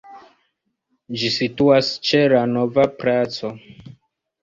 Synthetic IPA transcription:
d͡ʒisituast͡ʃelanovapɾat͡so

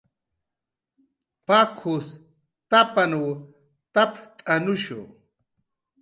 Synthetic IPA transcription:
pakʰus | t̪apanuw | t̪apt̪ʼanʊʃṵ

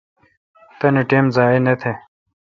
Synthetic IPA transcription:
t̪ɐniʈeːmzaːenet̪ʰe

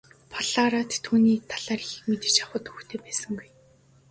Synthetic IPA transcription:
pʰɔɮaːɾaːt̪ʰːuːniːt̪ʰaɮaːrixɘ̆kmet̪ɘ̥̆t͡ɕaχə̆t̪uxt̪ʰeːpæːsə̆ŋɡuj

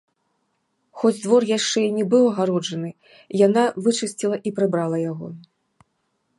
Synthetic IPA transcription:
xɔd͡zʲd̪vɔrjaʂt͡ʂɛinʲɛbɨwɐɣaɾɔʐɐnɨ | janavɨt͡ʂɨsʲt͡sʲilˠɐʔipɾɨbɾalˠɐjaɣɔ̰

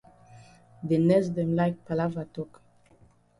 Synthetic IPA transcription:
denɛsd̪ɛ̃mlaɪk̚palavatɔk

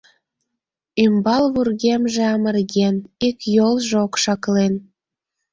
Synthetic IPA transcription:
ymbɑlβurɣemʒĕɑmərɣenikjolˠʒeokʃɑklen

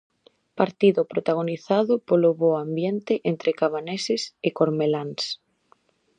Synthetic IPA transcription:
paɾt̪iðʊpɾot̪aɣ̞oniθaðʊpoloβoambjent̪ɪʔent̪ɾekaβ̞anesɪsɪkoɾmelans

